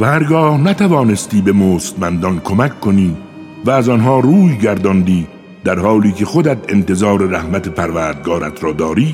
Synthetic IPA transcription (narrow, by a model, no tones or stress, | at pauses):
væhæɾɡɒːhnæt̪ʰævɒːne̞st̪iːbe̞moːst̪mænd̪ɒnkʰomækʰːo̞niː | væːzɒnɦɒːɾuːjɡæɾd̪ɒnd̪iː | d̪̥æɾhɒːliːkʰe̞xod̪æt̪ʰe̞nt̪e̞zɒːɾeɾæhmæt̪ʰe̞pʰæɾvæːɾd̪̚ɡɒːɾæ̰t̪ɾɒːd̪ɒːɾiː